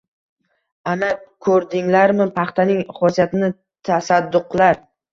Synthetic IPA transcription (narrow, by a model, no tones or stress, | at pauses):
anakʰɵɾd̪ɪŋlaɾmɪpʰɑχt̪ʰanɪŋχɒsijat̪ɪnɪ | t̪ʰasad̪ːʊqlaɾ